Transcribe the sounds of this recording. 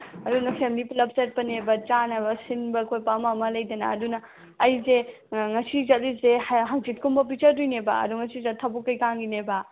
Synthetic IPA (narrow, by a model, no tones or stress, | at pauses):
ɐdunɐpʰemiliplɐp̚set̚pɐnebɐt͡ʃanɐbɐsinbɐkʰojpamɐmɐlɐjdɐnɐ̰ɐdunɐː | jze | ŋɐsizɐt̚lisehɦaŋzit̚kʰumbɐp̬it͡ʃɐɾdujnebɐ̰ɐ̰d̪uŋɐsizɐtʰːɐbukːɐjkaŋɡinebɐ